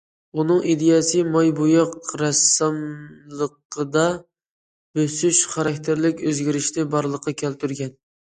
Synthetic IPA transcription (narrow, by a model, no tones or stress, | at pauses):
unɨŋʔid̪ejɛsɨmɑjbujɑqɾɛsɨmlˠəqəd̪ɑ | b̥øsyʃχɑɾɑkʲt̪ʰɪɾlɪkʲøzɡʲiɾɪʃnɪbɑɾlˠəqʰːɑkʲʰælt̪ʰyɾɡʲɛn